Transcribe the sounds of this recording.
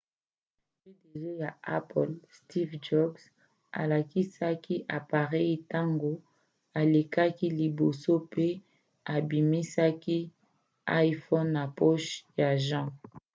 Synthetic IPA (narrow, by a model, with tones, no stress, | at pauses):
fe˦de˨zo˦ja˨a̰˦pɔ˨lsti˦fd͡ʒɔ˦ɡs | a̰˨la˨ki˦sa˦ki˦ʔa˨pa˨ʁɛ˦ji˨ta˦ŋɡo˨ | a˨le˨ka˦ki˦li˨bo˨so˦pe˦ | a˨bi˨mi˦sa˦ki˦ | a˦fɔ˦nːa˨pɔ˦ʃja˨ʒã˦˨